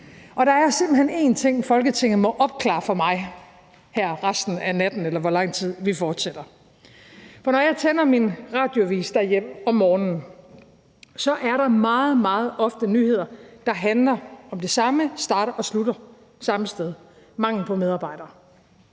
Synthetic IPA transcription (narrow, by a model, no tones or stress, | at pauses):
ʔɒ̽ɾ̥ɑ̈æɐse̝m̰b̥l̩hene̝̰ːnt͡sʰe̝ŋ̰fɒ̽lɡ̥ət͡sʰe̝ŋ̰ð̩ˠmɒ̽ʔɒ̽b̥̚kʰlɑ̰̈ːfɒ̽mɑ̈ɪ | hæɐ̰ʁɑsd̥n̩ænæd̥n̩elɐʋɒlɑ̈ŋ̰t͡sʰið̰ˠʋifɒːd̥sed̥ɐ | fɒ̽nɒjɑ̈ɪt͡sʰenɐminʁɑ̈ːd̥joæʋḭːsd̥æɐjem̰ɒ̽mːɒːnn̩ | sɒ̽ʔæɐɾɑ̈mɑ̈ːð̞̩ˠmɑ̈ːð̞̩ˠʔɒ̽fd̥ənyːhe̝ð̞̰ˠɐd̥ɑ̈ɦænlɐɒ̽md̥e̝sɑ̈məsd̥ɑ̈ːɾ̥ɐʔɒ̽sluɾɐ | sɑ̈məsd̥eð̞ˠ | mɑ̈ŋ̰l̩pʰɒ̽með̞ˠɑ̈ːb̥ɑ̈ɪd̥ɐː